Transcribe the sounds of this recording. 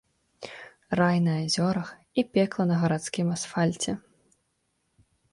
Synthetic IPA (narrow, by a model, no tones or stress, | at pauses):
rajnɐazʲɔɾɐx | ipʲɛklˠɐnɐɣɐɾat̪skʲimasfalʲt͡sʲɛ